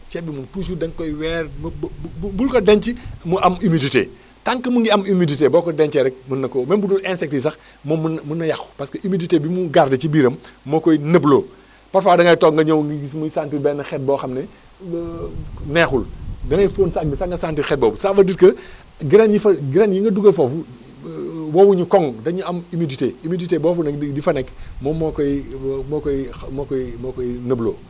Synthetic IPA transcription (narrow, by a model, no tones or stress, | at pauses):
t͡ʃɛbimuntuːs̬udɐŋkɔjwɛːrmbulkɔdɛɲt͡ʃimuʔɐmimiditḛː | taŋkɐmuŋɡiɐmimiditeːbɔːkɔdɛɲt͡ʃɛɾɛk̚mɐnɐkɔmɐnbudulɛnsɛk̚tis̬ɐx | mɔmnmunɐjɐxpɐskɐʔimiditeːbimuɡardɐt͡ʃibiːɾɐmːɔkɔjnəbloː | pɐɾfaːdɐŋɐjtɔɡŋɡɐɲowŋɡiɡismusaːntibɛːnɐxɛt̚bɔxɐmnɛ | nexuldɐŋɐjfoːnsakbsaːŋɡɐsaːntixɛt̚boːbusaːfɐditkɐ | ɡiɾenjifɡiɾenjiŋɡɐduɡɐlfofu | wowuɲukɔŋdɐɲuɐmimiditeːimiditeːbɔːfunɐdifɐnɛkmɔmɔkɔjimokɔmokɔjimokojinɐblo̰ː